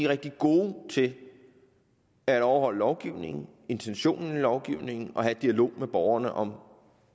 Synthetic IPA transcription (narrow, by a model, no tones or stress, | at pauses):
iʁɛɡ̥̚d̥iɡ̥o̝ːt͡sʰe̝l | æɾ̥ɒʊɐhɒ̽l̰əlɒʊɡ̥iʊne̝ŋn̩e̝nt͡sʰenɕo̝̰ːnn̩ilɒʊɡ̥iʊne̝ŋ̰n̩ʔɒ̽ɦæd̥̚iælo̝̰ːmeb̥ɒʊɐnəʔɒ̽m